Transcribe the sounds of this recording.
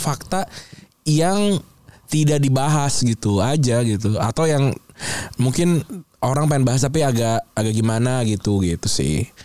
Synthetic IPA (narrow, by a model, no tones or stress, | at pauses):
fak̚t̪a | jaŋ | t̪idaʔ̚dibaɦasɡit̪uad͡ʒaɡit̪uat̪awjaŋ | muŋkɪnʔoɾaŋp̬aɪnbaɦas̬t̪ap̬iaɡaʔːɡaʔɡimanaɡit̪uɡit̪usɪ̰h